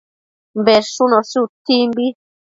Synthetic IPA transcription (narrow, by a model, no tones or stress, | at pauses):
m̩bɛɾʃunɔsutimbi